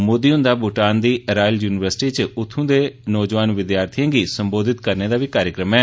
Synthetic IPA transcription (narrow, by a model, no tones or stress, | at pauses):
mod̪iːʊ̃nd̪aːbʱʊʈaːnd̪iːɾaːjljuːnɪʋəɾsʈiːt͡ʃəʊt̪ʰːõːd̪eːnɔːd͡ʒʋaːnʋɪd̪jaːɾt̪ʰijãːɡiːsəmboːd̪ʱɪt̪kəɾneːd̪aːʋiːkaːɾjəkɾəmɛː